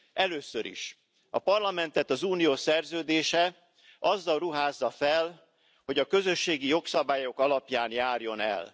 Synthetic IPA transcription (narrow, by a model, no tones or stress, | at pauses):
ʔɛløːsøɾḭʃ | ɒ̰pɒrlɒmɛnt̪ɛt̪ɒzuːnijoːsɛrzøːd̪eːʃɛ | ʔɒzːɒlruɦaːzːɒfɛl | ho̞ɟɒkø̞zø̞ʃːeːɡijo̞ksɒbaːjo̞kɒlɒpjaːnjaːrjo̞nɛ̰l